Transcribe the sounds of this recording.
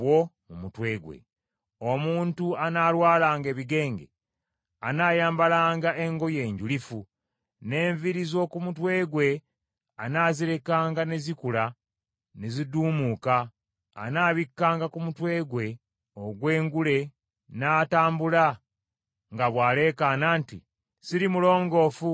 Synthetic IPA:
wo̞mumutwe̞ːɡwe̞̰ | o̞muːntuanaːlwaːlaːŋɡe̞ːβiɡe̞ːŋɡḛ | anaːjaːmbalaːŋɡaʔe̞ŋɡo̞je̞ːɲɟulifu | ne̞ːɱviɾizo̞kumutwe̞ːɡwe̞ | anaːziɾe̞kaːŋɡanezikula | neziduːmuːka̰ː | naːβikːaːŋɡakumutwe̞ːɡwe̞ | oɡwe̞ːŋɡule̞ | naːtaːmbula | ŋɡaβwaːle̞ːkaːnaːnti | siɾimulo̞ːŋɡo̞ːfu

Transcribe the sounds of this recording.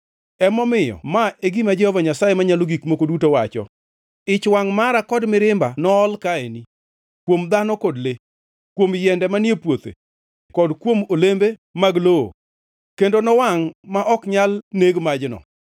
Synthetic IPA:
ɛmɔmɪjɔ̰maeɡimad͡ʒɛhɔvaɲasajemaɲaloɡikmokodutowat͡ʃɔ̰ | ɪt͡ʃwaŋmaɾakɔdmɪɾɪmbanɔːlkaeni | kwomd̪anɔkɔdlɪ | kwomjɛndɛmanepwot̪ḛ | kɔdkwomolembemaɡloo̰ | kendonɔwaŋmaʔɔkɲalneɡmad͡ʒnɔ̰

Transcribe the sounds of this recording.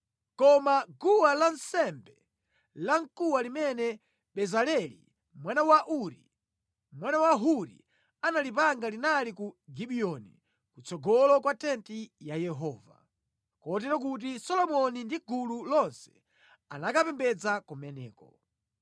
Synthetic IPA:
kɔmaɡuwalansɛmbɛ | laŋkuwalimɛnɛ | ɓɛzalɛlḭ | mwanawaʔuɾḭ | mwanawaɦuɾḭ | analipaŋɡalinalikuɡiɓiɔni | kut͡sɔɡɔlɔkwatɛntijajɛɦɔːva̰ | kɔtɛɾɔk̬ut̬isɔlɔmɔnindiɡululɔnsɛ̥ | a̰nakapɛmbɛd͡zakɔmɛnɛ̰ːkɔ

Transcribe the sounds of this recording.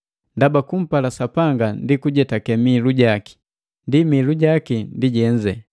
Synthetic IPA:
ndabakum̩palasapaŋɡandikuɟɛtakɛmiluɟaki̥ | ndimiluɟakindiɟɛɲd͡ʒɛ

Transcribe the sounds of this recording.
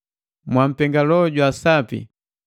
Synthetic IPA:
mwam̩pɛŋɡalɔɟwasapḭ

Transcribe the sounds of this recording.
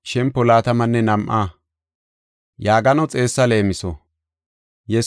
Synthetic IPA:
ʃɛmpːɔlaːt̪ɐmɐnːɛnɐmʔaː | jaːɡɐnɔt͡sʼe̞ːsːɐle̞ːmɪsɔ̰ | jɛ

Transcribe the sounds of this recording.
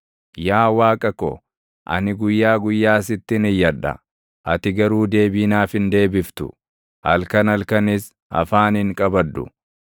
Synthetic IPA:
jaːwaːkʼɐkɔ̰ | ʔɐ̰nɪɡʊjːaːɡʊjːaːs̬ɪt̪ːɪnɪjːɐᶑɐ̰ | ʔɐt̪ɪɡɐɾuːd̪e̞ːbiːnaːfɪnd̪e̞ːbɪft̪ʊ̰ | ʔɐlkɐnɐlkɐnɪs | ɐ̰faːnɪŋkʼɐbɐd̪ːʊ̰

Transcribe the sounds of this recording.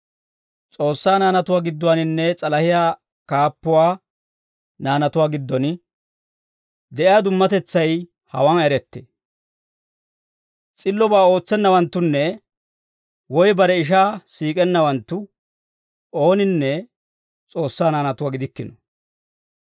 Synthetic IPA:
t͡sʼo̞ːsːaːnaːnɐt̪ʊwaːɡɪd̪ːʊwanɪnːɛt͡sʼɐlɐhɪjaː | kaːpːʊwaː | naːnɐt̪ʊwaːɡɪd̪ːɔn | d̪ɛʔɪjaːd̪ʊmːɐt̪ɛt͡sːɐj | hɐ̰wanɛɾɛt̪ːḛː | t͡sʼɪlːɔbaːo̞ːt͡sːɛnːɐwɐnt̪ːʊnːɛ | wɔjbɐɾɛɪʃ̬aːsiːkʼɛnːɐwɐnt̪ːʊ | o̞ːnɪnːɛ | t͡sʼo̞ːsːaːnaːnɐt̪ʊwaːɡɪd̪ɪkːɪnɔ

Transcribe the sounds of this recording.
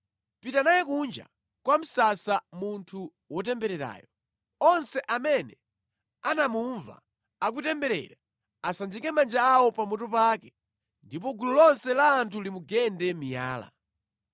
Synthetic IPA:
pitanajɛkund͡ʒa̰ | kwam̩sasamuntʰu | wɔtɛmbɛɾɛɾa̰ːjɔ | ɔnsɛʔamɛnɛ | anamuɱva̰ | ak̬utɛmbɛɾɛ̰ɾa | asand͡ʒikɛmand͡ʒaːwɔpamɔtɔpaːkɛ | ndip̬ɔɡululɔnsɛlaːntʰulimuɡɛndɛmija̰ːla̰

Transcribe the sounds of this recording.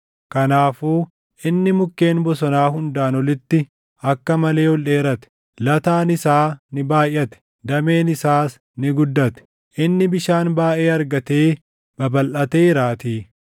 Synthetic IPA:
kɐnaːfuː | ʔɪnːɪmʊkːe̞ːnbɔsɔnaːɦʊnd̪aːnɔlɪt̪ːɪ | ɐkːɐmɐle̞ːwɔlːeːɾɐt̪ɛ̥ | lɐt̪aːnɪsaːnɪbaːjʔːɐt̪ɛ̥ | d̪ɐme̞ːnɪsaːs | nɪɡʊd̪ːɐt̪ɛ̥ | ʔɪnːɪbɪʃaːnbaːʔe̞ːɐɾɡɐt̪e̞ː | b̥ɐbɐlʔɐt̪eːɪɾaːt̪iː

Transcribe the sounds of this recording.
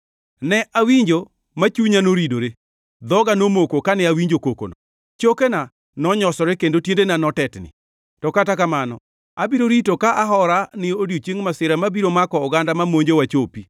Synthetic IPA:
nɛʔawiɲd͡ʒo | mat͡ʃuɲanoɾidoɾe | d̪ɔɡanomokokanɛawiɲd͡ʒokoko̰nɔ | t͡ʃokena | nɔɲɔsɔɾɛkendotjendenanɔtɛtnɪ̰ | tɔkatakamanɔ̰ | abiɾoɾitokaʔaɦɔɾanɪodjot͡ʃeŋmasɪɾamabiɾomakɔʊɡandamamoɲd͡ʒowat͡ʃopi

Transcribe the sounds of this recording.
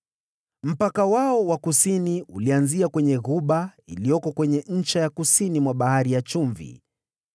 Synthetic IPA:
m̩pakawaɔwakusiniulianziakwɛɲɛɣuɓailijɔkɔkwɛɲɛɲ̩t͡ʃajakusinimwaɓahaɾijat͡ʃuɱvḭ

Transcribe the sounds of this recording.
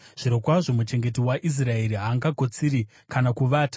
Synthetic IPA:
ʐ̥iɾo̞kwaʐo̞mut͡ʃe̞ŋɡe̞t̬iwaʔis̬rae̞ɾiɦaːŋɡaɡʱo̞t͡siɾi | kanakuʋaːtḁ

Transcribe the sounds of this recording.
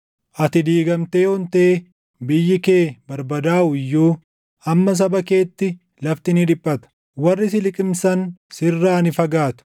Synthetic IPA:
ʔɐt̪ɪd̪iːɡɐmt̪e̞ːhɔnt̪eː | bɪjːɪke̞ːbɐɾbɐd̪aːʔʊɪjːuː | ɐmːɐs̬ɐbɐke̞ːt̪ːɪ | lɐft̪ɪnɪd̪ɪpʼːɐt̪ɐ̥ | wɐrːɪs̬ɪlɪkʼɪmsɐnsɪrːaːnɪfɐɡaːt̪ʊ̥

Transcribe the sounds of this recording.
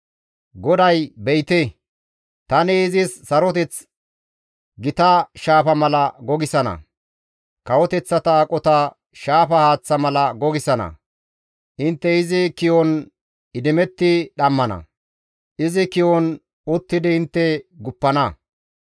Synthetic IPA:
ɡɔd̪ɐjbɛjt̪ɛ | t̪ɐnɛɪzɪsːɐɾɔt̪ɛt͡s | ɡɪt̪ɐʃaːfɐmɐlɐɡɔɡɪsɐnɐ̰ | kɐwɔt̪ɛt͡sːɐt̪ɐkʼɔt̪ɐ | ʃaːfɐhaːt͡sːɐmɐlɐɡɔɡɪsɐnɐ̰ | ʔɪnt̪ːɛɪzɪkɪjɔn | ɪd̪ɪmɛt̪ːɪɗɐmːɐnɐ̰ | ʔɪzɪkɪjɔn | ʊt̪ːɪd̪ɪɪnt̪ːɛɡʊpːɐnɐ

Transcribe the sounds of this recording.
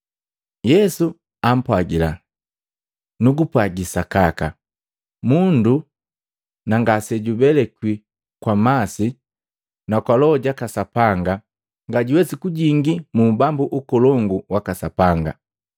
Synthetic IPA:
jɛsu | am̩pwaɡila | nuɡupwaɡisakaka̰ | mundu | naŋɡasɛɟubɛlɛkwi | kwamasi | nakwalɔɟakasapaŋɡa | ŋɡaɟuwɛsikuɟiŋɡimumbambuʔukɔlɔŋɡuwakasapaŋɡa̰

